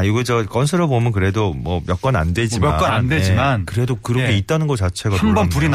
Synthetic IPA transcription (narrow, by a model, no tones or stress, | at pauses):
joɡed͡ʑʌk͈ʌnsʰɯɾɯbomjʌnkɯɾe̞domʌmjʌk͈ʌna̰ndwe̞d͡ʑimʌaʌnanddwed͡ʑimankɯɾe̞dokɯɾʌkʰeitt̚t͈anɯnɡʌt͡ɕat͡ɕʰe̞ɡahanbʌnpuɾin